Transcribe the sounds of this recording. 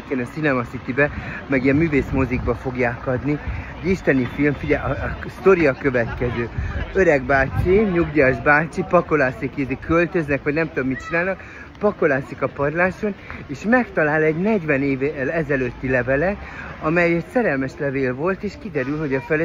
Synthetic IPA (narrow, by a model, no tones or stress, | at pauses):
keːnɒsinɛmɒsit̪ibɛmɛɡiɛmːyːveːsmoziɡ̚bɒfo̞ɡjaːkɒd̪nioiʃt̪ɛnifilmfiɟɛɒst̪o̞ɾijɒkø̞vɛt̪kɛzøːøɾɛɡbaːt͡ʃiɲuɡɟaʒbaːt͡ʃipɒko̞laːsikid̪ikʰølt̪ø̞znɛkʋɒɟnɛmt̪ud̪omit̪̚t͡ʃinaːlnɒk | pɒko̞laːsikɒpɒrlaːʃo̞neːʃmɛkt̪ɒlaːlɛɟnɛɟʋɛneːvlɛzɛløt̪ːilɛvɛlɛɒmɛjɛt̪sɛɾɛlmɛʃlɛveːlvo̞lt̪eːʃkid̪ɛɾylɦo̞ɟɒfɛlɛ